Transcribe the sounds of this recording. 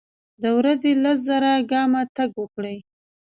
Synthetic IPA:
d̪əwɾazelas̬zaɾaɡɑmat̪aɡwəkɽəj

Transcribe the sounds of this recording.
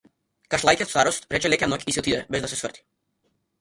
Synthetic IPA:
kaʃlˠajkʲɛt̪st̪aɾɔst̪pɾɛt͡ʃɛlɛcʲɛnɔkisɛɔt̪id̪ɛbɛzd̪asɛsvərt̪i̥

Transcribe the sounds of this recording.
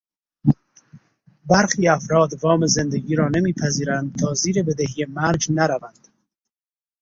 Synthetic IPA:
bæɾxiːæfɾɒːd̪vɒːmeze̞nd̪eɡiːɾɒːnemiːpʰæziːɾænd̪̚t̪ʰɒːziːɾebed̪eɦijemæɾd͡ʒnæɾævænd̪̥

